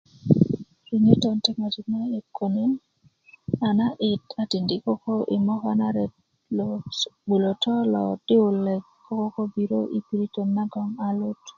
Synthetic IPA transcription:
ɾi˨ɲe˦tɔ˨ntɛ˦kma˨ti˨ma˦e˨kʰo˨ni˦n | a˨na˦ʔɪ˨ta˨ti˨ndi˨˦ko˦ko˦ʔi˨mɔ˦ka̰˦na˦ɾɛ˨ | lbu˨lo˨tɔ˦lɔ̰˨d̥ɪ˦ʊ˨lɛ˨kː | o˦ko˦ko˦bi˦ɾo̰˦ʔi˦pi˨ɾi˦to˨nːa˦ɡɔ˨ŋa˨lo˦t

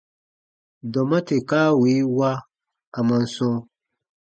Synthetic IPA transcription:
dɔ˨mã˦te˨kaː˦wi˨˦wa˦ | a˨mã˨n˦sɔ̃˦

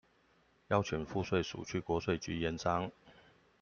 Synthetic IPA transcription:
jɑ˥˧ʊt͡ɕʰjɛ˨˩nfu˥˧swe˥˩ɪʂṵ˨˩t͡ɕʰy˥˩kwɔ˧˥swe˥˩ɪt͡ɕy˧˥jɛ˧˥nsɑ˥ŋ

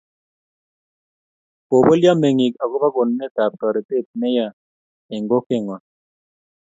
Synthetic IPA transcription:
po˨bo˦lja˦me˨ŋi˨ka˨ɡo˦ba˦ɡo˨nme˦t̪a˨p̚ka˨ɾe˨t̪e˦t̪̚nɛ˦ja˦˨ | e˨ŋɡo˦ke˦˨ŋa˨

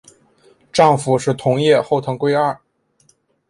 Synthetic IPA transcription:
ʈ͡ʂɑ˥˩ŋfu˨˩ʂɻ̩˥˩t̪ʰʊ˧˥ŋjɛ˥˧xo˥˩ʊt̪ʰɤ˧˥ŋkwe˥ɪa˞˥˩

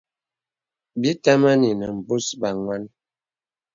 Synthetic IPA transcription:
bi˦ta˦ma˦ni˨nə˨m̩˨bu˦sba˨ŋwa˦n

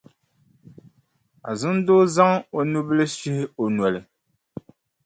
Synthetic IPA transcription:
a̰˨zɨ˦n˦do˦za˦ŋ˦o˦nu˦bɨ˦lɨ˦ʃi˦hɪ˦o˨n˨ɔ˨lɨ˨

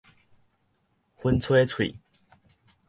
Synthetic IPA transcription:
xwə˦nt͡sʰwe˥˦t͡sʰwḭ˨˩

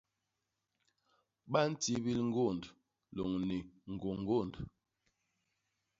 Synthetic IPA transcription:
ɓa˦n̩˦ti˦bi˦lŋ̩˦ɡo˦˨nd | lo˨ŋni˨ŋ̩˨ɡo˨ŋ˨ɡo˦˨nd

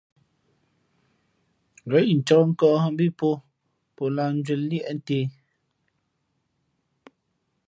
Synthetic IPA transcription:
ɣɛ˨˦˨n̩˨t͡ʃɔ˦ŋ̩˦kɔ˦˨˦m˦bi˦po˦ | po˨la˨n˦d͡ʒwe˨lli˦ɛ˦˨ʔn̩˦te˦

